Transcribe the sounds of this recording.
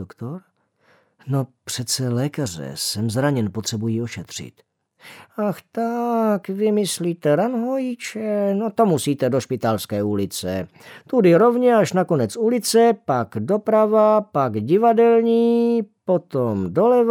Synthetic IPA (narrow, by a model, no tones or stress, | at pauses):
okt̪oɾ | no̞pr̝̥ɛt̪st͡sɛlɛːkar̝ɛ̰sɛmzɾaɲɛnpot̪r̥ɛbujiːoʃɛt̪r̝̥ɪ̰t̪ | axt̪akvɪmɪsliːt̪ɛɾanɦojit͡ʃɛnot̪o̞musiːt̪ɛdo̞ʃpɪt̪alskɛːulɪt͡sɛ | t̪udɪɾo̞vɲɛaʃnako̞nɛt͡sulɪt͡sɛpaɡdo̞pɾavapaɡɟɪvadɛlɲiːpot̪omdo̞lɛv